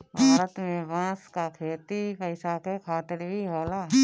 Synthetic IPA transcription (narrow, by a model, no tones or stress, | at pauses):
bʱaaːɾət̪mẽʋãːskakʰeːt̪ipəɪsakekʰaːt̪ɪɾbʱiɦoːlaː